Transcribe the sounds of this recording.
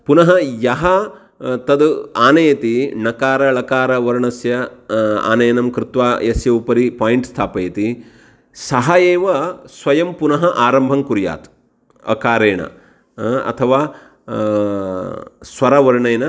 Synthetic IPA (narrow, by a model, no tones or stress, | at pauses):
punɐɦɐjɐɦɐ | t̪ɐd̪aːnɐjɐt̪inɐkaːɾɐɭɐkaːɾɐʋɐɾɳɐsjɐa̰ːnɐjɐnɐmkɾɪt̪ʋaːjɐsjɐupɐɾipaːjiɳʈst̪ʰaːpɐjɐt̪i | sɐɦajeːʋɐsʋɐjɐmpunɐɦɐʔaːɾɐmbʱɐŋkuɾja̰ːt̪ | ɐ̰kaːɾeːɳɐ̰ | ɐ̰t̪ʰɐʋaː | sʋɐɾɐʋɐɾɳɐjnɐ